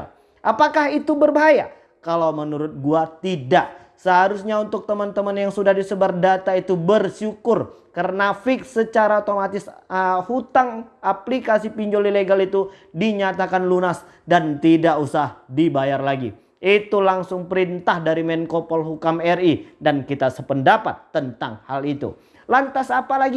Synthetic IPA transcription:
ʔapakahit̪ubərbaɦaja | kalawmənuɾʊt̪̚ɡuat̪idaʔ | səɦaɾusɲaunt̪ʊk̚t̪əmənt̪əmənjaŋsudahdisəbardat̪ait̪ubərʃukʊrkəɾənafɪksːət͡ʃaɾaot̪omat̪ɪsəhut̪aŋaplikasipiɲd͡ʒolileɡalit̪udiɲat̪akanlunas | dant̪idaʔusahdibajarlaɡḭ | ʔit̪ulaŋsʊŋpəɾint̪ahdaɾimɛnkopɔlɦukamɛridankit̪asəpəndapat̪ːənt̪aŋhalit̪ṵ | lant̪asapalaɡi

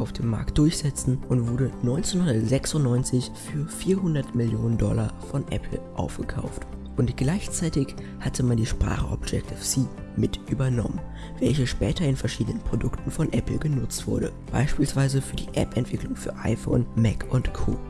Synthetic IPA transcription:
ʔaʊfd̥eːmːa̰ɐk̚t̚d̥ʊɐçz̥ɛt͡sn̩ʔʊntv̥ʊɐdənɔʏnt͡senhʊndɐtz̥ɛksʊntnɔʏnt͡sɪçfyːɐfiːɐɦʊndɐtmɪljoːnəndɔlɐfɔnʔɛ̰pʰl̩ʔa̰ʊfɡ̥əkʰaʊftʔʊntɡ̥laɪçt͡saɪtɪç | hatʰəmandiːʃpʁ̥a̰ːχəʔɔ̰bd͡ʒɛk̚tʰɪfsiːmɪtʔyːbɐnɔmən | vɛlçəʃpɛːtɐɪnfɛɐʃiːdənənpʁ̥odʊktn̩fɔnʔɛpl̩ɡənʊt͡stv̥ʊɐɾə | b̥a̰ɪʃpiːlsv̥aɪzəfyːɐdḭːʔɛ̰pɛntv̥ɪklʊŋfyːɐʔa̰ɪfo̰ːnmɛkʰʔʊntkʰo̰ː

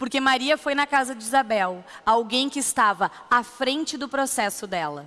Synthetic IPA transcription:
poɾkemaɾiɐfojnɐkazɐd͡ʒɪizabɛwawɡẽj̃kɪːst̪avɐ | afɾẽnt͡ʃɪd̪ʊpɾosɛsʊd̪ɛlɐ̰

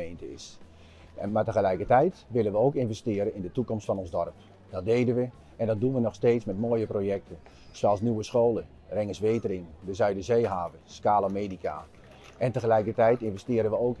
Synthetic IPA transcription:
entəɪ̰s | matəɣəlɛjkərtɛjtʋɪlənʋəoːkɪnvɛstɪːəɾəɪndətukɔmstfɔnɔnzdɔrp | d̥ɔt̚deːdənʋə | ɛndɔt̚dunʋənɔxsteːtsmɛtmoːjəprojɛk̚tʰə | swoalˠsnyʋəsxoːlə | rɪŋəsʋeːtərɪŋdəzœɥdəzeːɦaːvəskaːlomeːdikʰa̰ | ʔɛntəxəlɛjkətɛjtɪnvɛstɪːəɾənʋəoːk

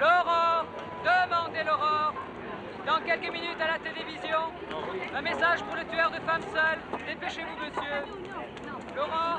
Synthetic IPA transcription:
lɔʁɑ̃ʁ | d̪əmɑ̃d̪elɔʁɑ̃ʁ | d̪ɑ̃kʲɛlkəminyt̪alat̪elevizjɔ̃ | ɛ̃mesaʒpuʁlət̪yœʁd̪əfamsœld̪epeʃevuməsjø | lɔʁɑ̃

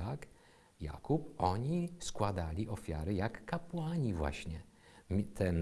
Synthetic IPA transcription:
ak | ja̰kupʔɔɲiskwad̪alʲiʔɔfʲja̰ɾɘjakːapwaɲivwa̰ɕɲɛ | mʲt̪ʰɛn

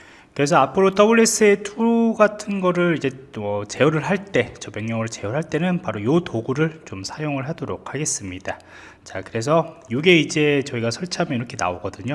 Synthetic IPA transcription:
kɯɾe̞s̬ʰʌapʰɯɾot͈ʌbuɭːe̞s͈ʰɯe̞tʰuɡatʰɯnɡʌɾɯɾid͡ʑe̞ʌt͡ɕe̞oɾɯɭɦaɭt͈e̞t͡ɕʌmjʌŋɲʌŋɯɾɯɭt͡ɕeoɭɦaɭt͈e̞nɯnpaɾojotoɡuɾɯɭt͡ɕomsʰajoŋɯɭɦadoɾok̚ʰhaɡe̞s͈ɯmɲida | t͡ɕakɯɾe̞s̬ʰʌjoɡe̞id͡ʑe̞t͡ɕʌiɡasʰʌɭt͡ɕʰamjʌiɾʌkʰe̞na̰oɡʌdɯɲo

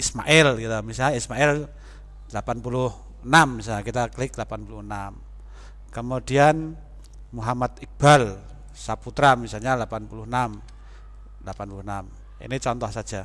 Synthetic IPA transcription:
isma̰ʔɛlkit̪amisaismaɛl | lapanpulʊh | nammis̬aakit̪aklɪklapanpuluhnam | kəmudian | muɦamat̪ik̚b̥al | saput̪ɾamisalɲalapanpuluhənam | lapanpuluhnam | ḭnit͡ʃɔnt̪ɔhsḁd͡ʒ̥a

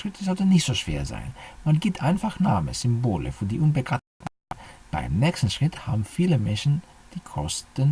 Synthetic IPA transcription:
ʃʁ̥ɪtʰəzɔltnnɪçtz̥oːʃv̥ḛːɐza̰ɪnmanɡiːp̚tʔaɪnfaχna̰ːmə̰z̥ʏmboːlə̰fyːɐdiːʔuːnbəɡa | n̩ | b̥a̰ɪmnɛːkstn̩ʃʁ̥ɪtha̰ːbm̩fiːləmɛnʃn̩ | d̥iːkʰɔ̰stən

